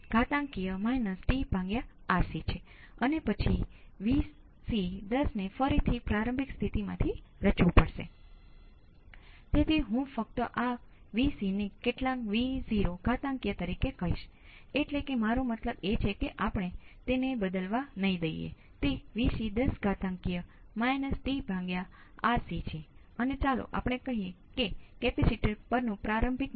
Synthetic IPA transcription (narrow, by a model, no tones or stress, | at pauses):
ɡ̥ʱat̪ãŋkijəmainəsʈibʱãŋɡjaːɾsit͡ʃʰe | ənepət͡ʃʰiʋis | sid̪əsnefəɾit̪ʰipɾaɾə̃mbʱikst̪ʰit̪imã̰t̪ʰiɾət͡ʃʋupəɽʃḛ | t̪et̪ʰiɦũfək̚t̪əʔa | ʋisinekeʈlãŋkʋiziɾoɡʱat̪ãŋkjət̪əɾikekəɦḭʃ | eʈlekemaɾomət̪ləbet͡ʃʰekeʔapɳ̃et̪enebəd̪əlʋanəɦĩd̪əijḛ | t̪eʋiʃid̪əsɡʱat̪ãŋkijə | majnəsʈibʱãŋɡjaaɾsit͡ʃʰe | ənet͡ʃalo̰ʔa̰pɽ̃ekəɦije | kekɛpisiʈəɾpəɾnũpɾaɾəmbʱit̪̚